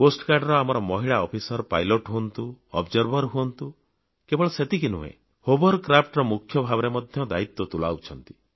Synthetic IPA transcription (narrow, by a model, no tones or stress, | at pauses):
posʈkaɾɖɔɾɔamɔɾɔmɔɦiɭaɔpʰisɔɾpajlɔʈɦuɔnt̪uɔ̰bd͡ʒɔɾbʱɔɾɦuɔnt̪u | kebɔɭɔset̪ikinuɦḛ | hobɔɾkɾapʰʈɾɔmukʰjɔbʱabɔɾemɔd̪ʱjɔd̪ait̪wɔt̪ula̰wt͡ʃʰɔnt̪i̥